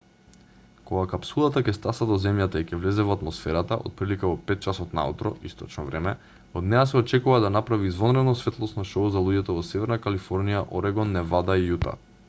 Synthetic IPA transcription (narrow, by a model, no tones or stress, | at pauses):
koɡakapsulˠat̪akɛst̪asad̪ɔzɛmjat̪aicʲɛvlɛzɛvoat̪mɔsfɛɾat̪aʔo̰t̪̚pɾilikavɔpɛt̪̚t͡ʃasɔt̪na̰ut̪ɾɔ̰ist̪ɔt͡ʃnɔvɾɛmɛ | od̪nɛjas̬ɛɔt͡ʃɛkuvad̪anapɾaviːzvɔnɾɛd̪nɔsvɛt̪lˠɔsnɔʃɔuzalˠuɟɛt̪ɔvɔsɛvɛɾnakalifɔɾnijaʔoɾɛɡɔnːɛvad̪aijut̪a̰